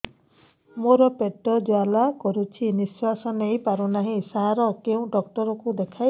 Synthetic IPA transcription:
moɾɔpeʈːɔd͡ʒwalakɔɾut͡ʃʰiniswasɔnejpaɾunaɦĩsaɦaɾɔkeũɖɔk̚ʈɔɾɔkud̪ekʰaj

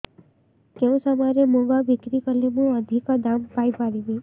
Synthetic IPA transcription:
keũsəmaɾemoɡabikɾikəlemũəd̪ʱikad̪ampajpaɾiʋi

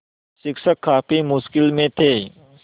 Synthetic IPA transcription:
sɪkʃəkʰːaːpimʊskɪlmẽt̪ʰeː

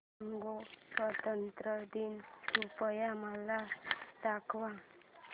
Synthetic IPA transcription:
ŋɡoswət̪ənt̪ɾəd̪insupəjamalat̪akʋa

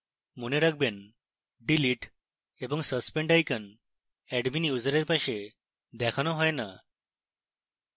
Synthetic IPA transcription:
muneɾəɡ̚ben | ɖiliʈ | ebəŋɡsəspeɳɖajkən | ɛɖminiud͡zɾeɾpaɕe | d̪ɛkʰañɔɦɔjna̰

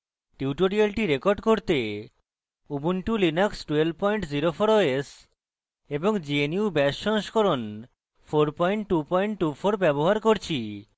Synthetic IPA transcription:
ʈiuʈoɾialʈiɾekoɾɖkoɾt̪e | ubunʈulinaksʈwelb̚pɔjɳʈd͡ʑiɾofʰoɾoes | eboŋd͡ʑieniubɛʃːɔnʃkoɾon | fʰoɾpɔjɳʈʈupɔjɳʈʈːufʰoɾbɛboɦaɾkoɾt͡ɕʰi

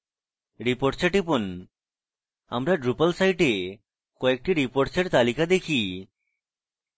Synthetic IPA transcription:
ɾipoɾʈt͡ɕeʈipon | a̰mɾaɖɾupalsajʈe | kɔek̚ʈiɾipoʈt͡ɕeɾt̪alikad̪ekʰi

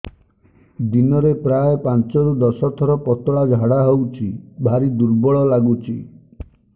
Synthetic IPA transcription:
d̪inɔɾepɾajpant͡ʃɔɾud̪ɔsɔt̪ʰɔɾɔpɔt̪ɔɭad͡ʒʱaɽaɦowt͡ʃʰibʱaɾid̪uɾbɔɭɔlaɡut͡ʃʰi

